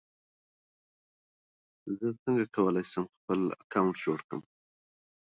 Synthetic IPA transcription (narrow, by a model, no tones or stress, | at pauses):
zət͡səŋɡakʰawəlajsəmxpəla̰kawɳʈʒoɽkə̰m